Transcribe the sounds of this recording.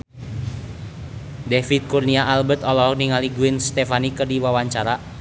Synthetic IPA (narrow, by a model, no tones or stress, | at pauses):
dɛfit̪̚kurniaʔalbət̪ɔlɔniŋaliɡuɪnst̪ɛfanikɨrdiwawaɲt͡ʃaɾa